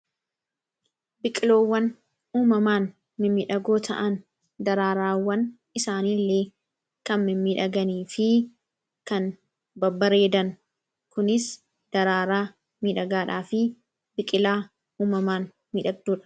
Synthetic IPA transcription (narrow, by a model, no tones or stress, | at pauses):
bɪkʼɪlo̞ːwːɐn | uːmɐmaːn | mɪmiːᶑɐɡo̞ːt̪ʰɐʔɐn | d̪ɐɾaːɾaːwːɐn | ɪsaːniːlːeː | kɐnmɪmːiːᶑɐɡɐniːfɪ | kɐn | bɐbːɐɾe̞ːd̪ɐn | kʊnɪs | d̪̥ɐɾaːɾaː | miːᶑɐɡaːᶑaːfɪ | bɪkʼɪlaː | uːmɐmaːn | miːᶑɐɡ̚d̪uːᶑɐ̥